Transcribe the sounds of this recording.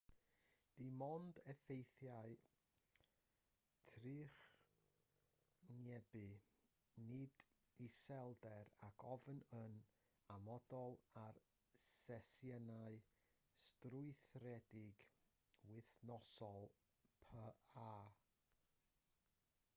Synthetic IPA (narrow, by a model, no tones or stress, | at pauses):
d̥imɔndɛfejθjaɨ | tʰrɨːχ | nɛbɨ | nɪd | isɛlˠdɛɾakʰɔvnən | amɔdɔlˠar | sɛsjənaɨ | strʊɨθrɛdɪɡ | wɪθnɔsɔlˠ | pʰəaː